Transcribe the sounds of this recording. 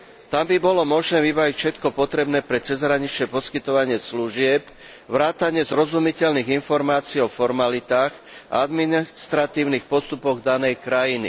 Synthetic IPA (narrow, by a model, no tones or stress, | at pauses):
t̪ambibɔlɔmɔʒnɛːvibaʋicfʃɛt̪kɔpɔt̪ɾɛbnɛːpɾɛt͡sɛzɦɾaɲit͡ʃɛpɔskit̪ɔʋaɲɪɛsluʒɪɛp | ʋɾaːt̪aɲɪɛzɾɔzumicɛʎniːɣinfɔɾmaːt͡siːɔfɔɾmalit̪aːɣ | a̰ad̪minist̪ɾat̪iːʊnixpɔst̪upɔɣd̪anɛjkɾajinḭ